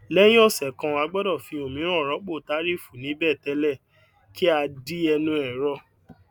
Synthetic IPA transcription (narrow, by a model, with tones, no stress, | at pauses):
lɛ˦j̃ĩ˦ɔ˦˨sɛ˨kã˧wa˧ɡ͡bɔ˦dɔ˦˨fĩ˧˦o˨mĩ˨˦ɾ̃ɔ̃˦˨ɾɔ˨˦k͡po˦˨ta˨˦ɾi˦˨fu˨nĩ˨˦bɛ˦˨tɛ˨˧˦lɛ˦˨ | ki˦a˧di˦ɛ˧nũ˧ɛ˨ɾɔ˧